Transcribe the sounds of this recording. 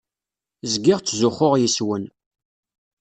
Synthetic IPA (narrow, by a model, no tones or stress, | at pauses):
zɡɪʁt͡sːzʊχʊʁjiswən